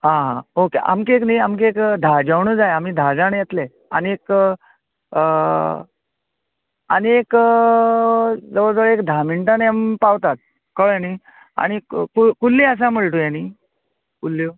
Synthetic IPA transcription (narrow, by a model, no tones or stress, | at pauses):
ɦãɦãokeʔa̰mkekniamk̬ekd̪ʱad͡ʑəwɳəːd͡zajam̤iːd̪ʱad͡zañjet̪le | aniek | ə | aniek | d͡zəʋəɭd͡zəʋəɭekd̪ʱamiɳʈaneampaʋt̪at̪̚ | kəɭaniː | a̰ɽ̃ikkukulːias̬aməɭʈ̪ojani | kulːi